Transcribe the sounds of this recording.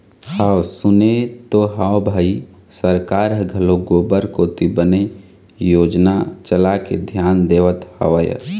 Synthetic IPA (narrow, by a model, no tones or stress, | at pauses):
haːwsʊnet̪oɦaːwbʱaːi | səɾkaːɾɦəɡʱɐloɡoːbəɾkoːt̪ibəne | joːd͡ʒnat͡ʃəlakḛd̪ʱjaːnd̪eːʋət̪hə̰ʋəjə̰